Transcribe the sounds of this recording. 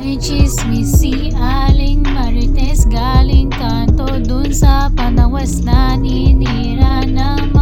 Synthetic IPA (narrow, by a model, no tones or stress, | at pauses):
ɾit͡ʃismisi | aːliŋmɐɾit̪esɡaːliŋkaːnt̪od̪unsaːpɐnɐʋɐsnaːnini | ɾaːna | m